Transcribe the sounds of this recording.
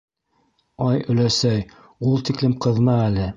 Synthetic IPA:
ɑjɵ̆læsæj | ulˠt̪iklɘmqɤ̆ðmɑælɘ

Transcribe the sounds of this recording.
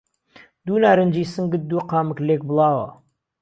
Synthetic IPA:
d̪uːnaːɾənd͡ʒiːsɨŋɡɪt̪̚d̪uːqɑːməklek̚bɨlˠɑːwɐ̰

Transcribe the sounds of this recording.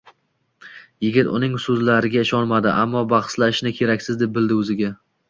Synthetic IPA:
jɪɡʲɪt̪ʊ̰nɪŋsɵzlaɾɪɡʲaɪʃɒnmad̪ɪʔamːɒbɑχslaʃnɪkʲʰe̞ɾakʲsɪzd̪e̞p̚bɪld̪ɪɵzɪɡʲa

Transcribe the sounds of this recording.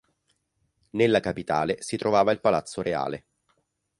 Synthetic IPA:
nelːakapit̪a̰ːlesit̪ɾovaːvailpalat̪sːoɾea̰ːle

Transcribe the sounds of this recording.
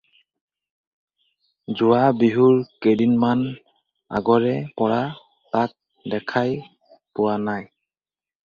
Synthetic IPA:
zʊwabiɦuɹkedinman | a̰ɡɔɹɛpɔɹa | tak̚ | dɛkʰaj | pʊwanaj

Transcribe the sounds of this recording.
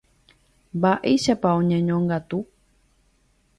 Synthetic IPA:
mbaʔeʃapaõɲẽɲõŋɡat̪u

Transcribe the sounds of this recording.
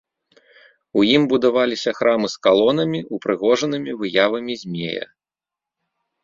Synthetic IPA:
ujimbud̪avalʲisʲɐxɾʔamɨskalˠɔnɐmʲiupɾɨɣɔʐɐnɨmʲivɨjavɐmʲizʲmʲḛjɐ̰

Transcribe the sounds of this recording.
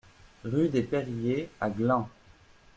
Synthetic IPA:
ʁyd̪epeʁjeaɡlɑ̃

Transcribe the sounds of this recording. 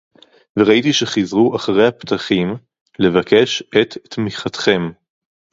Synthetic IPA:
veʁait̪iʃeχizʁuʔaχaʁejhapt̪aχim | le̞vakʰe̞ʃet̪ːmiχat̪χe̞m

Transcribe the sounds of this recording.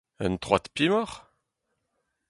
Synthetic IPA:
ə̰nt̪χwat̪pimɔʁ

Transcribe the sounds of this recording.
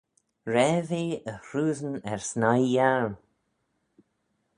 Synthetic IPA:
ɹɛːveːəhɹuːzənɛɹsnajːaɹn

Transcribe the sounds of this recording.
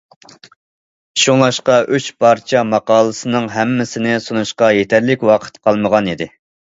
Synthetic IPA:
ʃuŋlˠɑʃqɑʔyt͡ʃpʰɑɾt͡ʃʰɛmɑqɑːlˠəsɨnɨŋɦɛmːɪsɪnɪsunuʃqɑjet̪ʰɛɾlɪkʲwɑqʰə̥t̪qʰɑlˠməʁɑnid̪ɪ

